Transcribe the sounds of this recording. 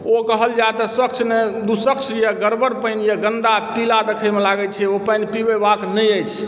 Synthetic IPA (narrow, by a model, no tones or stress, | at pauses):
okəɦəld͡ʒaet̪ɔswək̚t͡ʃʰned̪usək̚t͡ʃʰjɛɡəɾbəɾpəjnjeɡənd̪apilad̪ekʰəjmelaɡət͡ʃʰɛopəjnpibebaknəjəjt͡ʃʰ